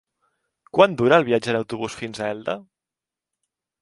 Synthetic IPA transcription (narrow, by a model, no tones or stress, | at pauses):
kwand̪uɾəːlˠβiad͡ʒənəwt̪uβusfinzəɛlˠd̪ə